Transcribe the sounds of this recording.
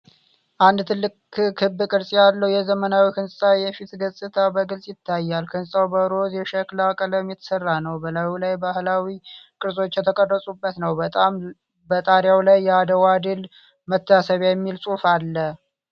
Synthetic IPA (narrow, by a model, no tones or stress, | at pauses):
ʔand̪t̪ʰɨlːɨkkʰɨbːɨkʼɨɾsʼijalːəwjɛzəmənawikʰɨnsʼsʼajɛfit̪ɡəsʼɨt̪ʰabəɡɨlsʼjɪt̪ʰːajːalkʰɨnssʼawbəɾozjɛʃəklakʼələmjɛt̪ʰə̥sərːanəwbəlawlajbahlawikʼɨɾsʼo̞t͡ʃːjɛt̪ʰəkʼərːəsʼubːət̪nəwt̪ʼam | bət̪ʼaɾjawlajːɛad̪əwad̪ɨl | mət̪ʰːasəβjjɛmːilsʼufalːə